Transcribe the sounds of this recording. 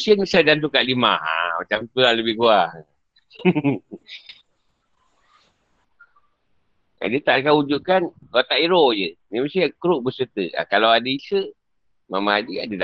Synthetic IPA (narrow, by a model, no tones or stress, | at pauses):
siənisadant̪ukaʔlima̰ha̰mat͡ʃamt̪ulaləbɪhɡuah | a̰dət̪aʔdkaud͡ʒuʔkankat̪aʔiɾojəniməsiakɾuʔ̚bəsət̪əa̰kalawadəisə | mamaad͡ʒia̰dəda